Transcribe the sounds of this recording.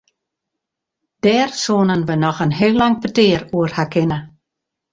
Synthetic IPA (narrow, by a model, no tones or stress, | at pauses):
d̥ɛːrsoːnənʋənɔxənɦɪlːaŋpəteːruərhakʰɪnə